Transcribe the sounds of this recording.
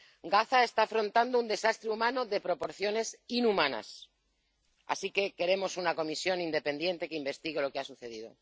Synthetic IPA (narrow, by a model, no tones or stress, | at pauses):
ɡaθae̞st̪aːfɾo̞nt̪and̪ound̪e̞sast̪ɾeumãnoðe̞pɾo̞po̞ɾθjo̞ne̞sinumãna̰s | a̰sike̞ke̞ɾe̞mo̞sunako̞misjo̞nind̪e̞pe̞nd̪je̞nt̪e̞keimbe̞st̪iɣelo̞keasuθe̞ð̞ið̞o̞̰